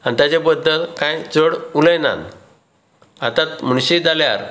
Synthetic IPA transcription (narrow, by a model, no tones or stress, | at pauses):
ant̪jat͡ɕebəd̪ːəlkãjt͡səɽuləjna̰n | at̪at̪m̤əɳ̃ɕid͡zalja̰ɾ